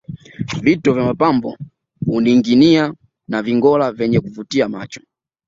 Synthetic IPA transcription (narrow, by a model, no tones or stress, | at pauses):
vitɔvjamapambɔ̰ | uniŋɡinia | naviŋɡɔlavɛɲɛkuvutiama̰t͡ʃɔ̥